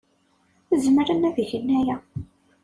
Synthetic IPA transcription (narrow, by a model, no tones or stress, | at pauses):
zəmɾænæviçənːæjæ